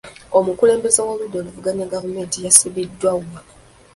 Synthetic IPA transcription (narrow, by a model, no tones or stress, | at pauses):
omukule̞ːmbe̞zowoβudolovuɡaɲeɡavume̞ːntijasuβidːwawa